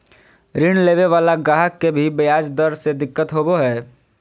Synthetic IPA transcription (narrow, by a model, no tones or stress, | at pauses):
ɾiɳ̃leːʋeʋaːlaɡaːɦəkːebʱibɐjaːd͡ʒd̪əɾsed̪ɪkːət̪ɦoːboɦɛː